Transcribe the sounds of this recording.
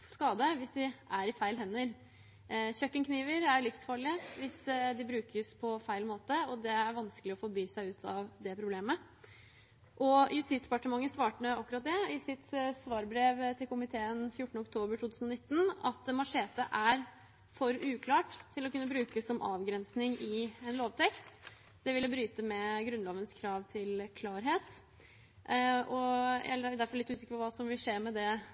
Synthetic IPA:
skɑːd̪əʋɪsd̪ɪʔæɾɪfæɪlɦɛnːəɾ | çœkːənkʰniːʋəɾæɾlɪfsfɑːɭɪəʋɪsd̪ɪbɾʉːkʰəspʰɔfæɪlmoːt̪əɔd̪ɛæɾʋɑnskəlɪɔfɔɾbyːsæɪʉːt̪ʰɑʋd̪ɛpʰɾʊbleːmə | ʔɔjʉst̪ɪt̪sd̪ɛpɑʈəmɑŋːəsʋɑːʈəɳəɑkːʉɾɑt̪̚d̪ɛɪsɪt̪sʋɑːɾbɾeːʋt̪ʰɪlkʊmɪt̪ʰeːənfjʊʈːəɳ̩əɔk̚t̪ʰoːbəɾʈʰuːt̪ʰʉːsnɔnɪt̪ːn̩ɑt̪mɑʂeːt̪əʔæɾ | fɔɾʉːkʰlɑːʈt̪ʰːɪlɔkʉnːəbɾʉːkəsɔmʔɑ̰ːʋɡɾɛnsnɪŋɪɛnloːʋt̪ʰɛkst̪ | d̪̥ɛʋɪlːəbɾyːt̪əmɛɡɾʉnloːʋənskʰɾɑːʋt̪ʰɪlkʰlɑːɾɦeːt̪ | ʔɔɛ̰ɛəd̪æɾfɔlɪt̪ːʉːsɪkəɾpʰɔʋɑːsɔmʋɪlseːɾmɛd̪ɛ

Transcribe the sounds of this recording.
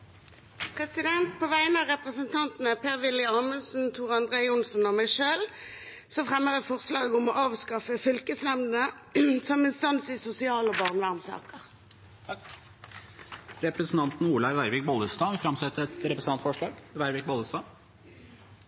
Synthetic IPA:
pʰʁɛsɪd̪ɛnt̪̚pʰoːʋæɪənɑʁɛpʁəsənt̪ʰɑnt̪n̩əpʰeːʁʋɪlɪɑːməlsn̩t̪ʰuːʁɑnd̪ʁeːʊnsnɔmæɪʃøːl | sɔfʁɛmːəʁət̪fɔʁslɑːɡəʊmɔʔɑːʋskɑfəfʏlkəsnɛmnə | sɔmɪst̪ɑnsisʊsɪɑːlɔbɑʁnʋæʁmsɑ̰ːkəʁ | ɾɛpɾəsn̩t̪ɑnt̪n̩uːlɑɾʋæɪɾʋɪk̚bɔləst̪ɑːfɾɑmsɛt̪ːəɛt̪ɾɛpɾəsn̩ɑnt̪fɔʂɭɑːɡʋæɪɾʋɪk̚bɔləst̪ɑː

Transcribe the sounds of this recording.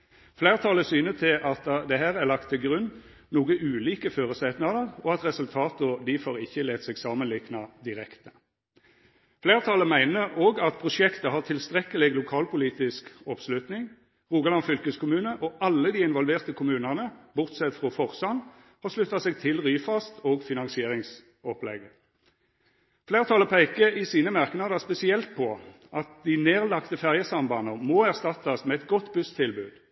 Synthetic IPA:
fleːʁt̪ʰɑːləsyːnət̪ʰɪlʔɑt̪d̪ɛɦæːʁæʁlɑkt̪ʰːɪlɡʁʉn | nuːɡəʔʉːliːkəføːʁəsɛt̪nɑd̪əʁɔɑt̪ʁɛsʉlt̪ʰɑːt̪ʊd̪ifoːʁɪçːəleːt̪sɛɡsɑːmənlɪknɑd̪ɪʁɛkt̪ə̥ | fleːʁt̪ʰɑːləmæɪnəoːɡɑt̪pʰʁʊʂɛkt̪əhɑːʁt̪ʰɪlst̪ʁɛkəlɪɡlʊkʰɑːlpʊliːt̪ɪskɔpslʉt̪nɪŋ | ʁuːɡɑlɑnfʏlkəskʰʊmʉːnəʔɔʔɑlːəd̪iːɪnʋɔlʋeːʁt̪əkʰʊmʉːnəʁnəbʊʁt̪sɛt̪fʁɔfɔʁsɑn | hɑʂlʉt̪ːɑsɛɡ̚t̪ʰɪlʁyːfɑst̪oːɡfɪnɑnsɪeːʁɪŋs | ɔplɛ̰ɡə | fleːʁt̪ʰɑləpʰæɪkəɪsiːnəmɑʁknɑd̪əspɛsɪɛlt̪̚pʰɔ | ʔɑt̪̚d̪ineːʁlɑkt̪əfæʁjəsɑmbɑnəʁmɔːæʁst̪ɑt̪ːɑsmɛːɛt̪ɡɔt̪ːbʉst̪ʰɪlbʉ̰ːd̪̥

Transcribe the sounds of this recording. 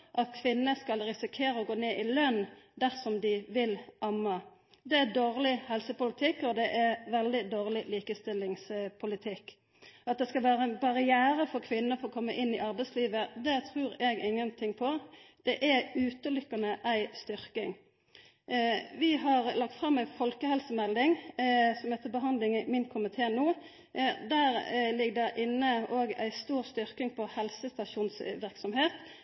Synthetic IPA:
ʔɑt̪̚kʰʋɪnːəskɑlɾɪsɪkʰeːɾəɔɡoːneːʔɪlœnd̪æʁsɔmd̪ɪʋɪlʔɑmːɑ | d̪ɛæd̪oːʁlɪhɛlsəpʊlɪt̪ʰɪkːɔd̪ɛʔæɾʋɛld̪ɪd̪oːʁlɪliːkəst̪ɪlːɪŋspʰʊlɪt̪ʰɪkː | ɑt̪̚d̪ɛskɑlʋæːɾəænbɑʁɪjæːɾəfɔɾkʰʋɪnːəfɔɾɔkʰɔmːəʔɪnːɪʔɑɾbæɛɪsliːʋəd̪ɛt̪ʰɾʉːɾɛɡɪŋːənt̪ʰɪŋpʰɔd̪̥ɛʔæʉːt̪əlʏkːɑnəʔæɪst̪ʏɾkɪŋ | ʋɪɦɑʁlɑk̚t̪fʁɑmːæɪfɔlkəhɛlsəmɛld̪ɪŋsɔmhæt̪əbəɦɑnd̪lɪŋmɪnkʰʊmɪt̪ʰeːnuː | d̪æːɾlɪɡd̪ɛʔɪnːəoːɡæ̰ɪst̪uːɾst̪ʏɾkɪŋpʰɔhɛlsəst̪ɑʃuːnsʋɪɾksɔmɦeːt̪

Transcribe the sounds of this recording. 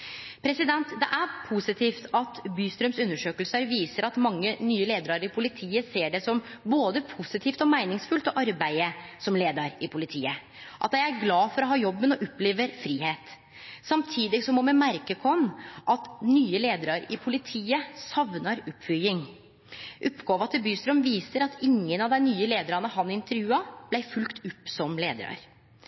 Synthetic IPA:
pʰɾɛsɪd̪ɛnt̪d̪ɛʔæpʰusɪt̪ʰiːft̪ʰɑt̪byːst̪ɾœmsʉnːəʂøːkəlsəɾʋiːsəɾɑt̪mɑŋːənyːəleːd̪əɾɑɾɪpʰʊlɪt̪ʰiːəseːɖɛsɔmboːd̪əpʰʊsɪt̪ʰiːft̪ɔmæɪnɪŋsfʉlt̪ɔʔɑɾbæɪəsɔmleːd̪ɑɾɪpʰʊlɪt̪ʰiːə | ʔɑ̰t̪jæɪæɾɡlɑːfɔɾɔɦɑːjɔbːənɔʔʊpːleːʋəɾfɾiːheːt̪ | sɑmt̪ʰiːd̪ɪsɔmɔmɛmæɾkəkʰɔnːʔɑt̪nyːəleːd̪əɾɑɾɪpʰʊlɪt̪ʰiːəsɑʋnɑɾʉpːfʏjɪŋ | ʔʊpːɡoːʋɑt̪ʰɛbyːst̪ɾɔmʋiːsəɾɑt̪ʰɪŋːənɑʋd̪æɪnyːəleːd̪əɾɑnəhɑnɪnt̪əɾjʉːɑb̥læɪfʉlkt̪ʰʉpːsɔmleːd̪ə̰ɾɑ̰ɾ

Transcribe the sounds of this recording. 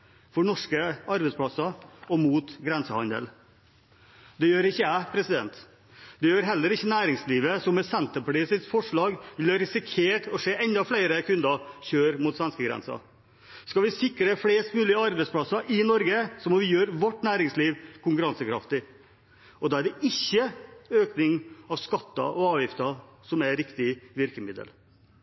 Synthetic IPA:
fɔɳɔʂkəɑɾbɛspʰlɑsɑɔmuːt̪ɡɾɛnsəhɑ̰nd̪ə̰l | d̪ɛjøːɾɪçːəæɪpʰɾɛsɪd̪ɛ̰nt̪ | d̪ɛjøːɾɦɛlːəɾɪçːənæːɾɪŋsliːʋəsɔmːɛsɛnt̪əpɑʈiːsəsfɔʂɭɑːɡʋɪlɑɾɪsɪkʰeːʈɔseːʔɛnd̪ɑflæɪɾəkʰʉnd̪ɑçøːɾmuːt̪sʋɛnskəɡɾɛ̰nsɑ̰ | skɑlʋɪsɪkɾəfleːst̪mʉːlɪəɑɾbɛɪtspʰlɑsɑʔɪnɔɾɡəsɔmɔʋɪjøːɾʋɔʈːnæːɾɪŋsliːʋkʰʊŋkʉɾɑnsəkʰɾɑ̰ft̪ɪ | ɔd̪ɑːæɖɛʔɪçːəøːknɪŋɑʋskɑt̪ːɑ̰ʔɔɑːʋjɪft̪ɑ | sɔmæɾɪkt̪ɪʋɪɾkəmɪd̪ə̰l

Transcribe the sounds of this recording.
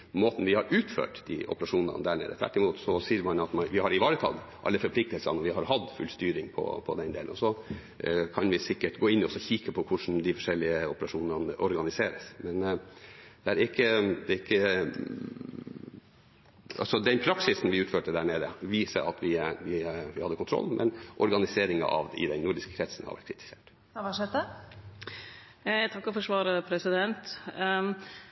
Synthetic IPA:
moːt̪n̩ʋɪhɑɾʉːt̪fø̰ːʈd̪ɪ̰ʔɔ̰pəɾɑʂuːnɑ̰nd̪æːɳḛːd̪ət̪ʋæ̰ʈːɪmuːt̪sɔsiːɾmɑnɑt̪mɑnʋɪhɑɾɪʋɑːɾət̪ʰɑ̰ɡ̪ | ʔɑ̰lːəfɔɾpʰlɪk̚t̪əlsə̰nɔʋɪɦɑɾɦɑd̪fʉ̰lst̪yːɾɪŋpʰɔ̰pʰɔ̰d̪ɛnd̪ḛːləɔsɔ | kʰɑnʋɪsɪkːəʈɡoːɪnːɔsɔçiːkəpʰɔkʰʊʂn̩d̪ɪfɔʂɛlːɪəɔpəɾɑʂuːnənʔɔɾɡɑnɪseːɾəsmɛn | d̪ɛæɾɪkːəd̪ɛɪkːə | ɑ̰sɔd̪ɛnpʰɾɑksɪsn̩ʋɪʉːt̪føːʈəd̪æːɳeːd̪əʋiːsə̰ʔɑt̪ʰʋɪʋɪʋɪhɑd̪ːəkʰʊnt̪ʰɾɔ̰lːmʔɛ̰nʔɔɾɡɑnɪseːɾɪŋə̰ʔɑ̰ʋɪ̰d̪ɛnnuɖɪskə̥kʰɾɛt̪sən̩hɑ̰ʋæ̰ʈ̚kʰɾɪt̪ɪ̥seːʈ | ɑʂɛt̪ə | t̪ʰɑkːɔfɔʂʋɑːɾəpʰɾɛsɪd̪ɛnt̪

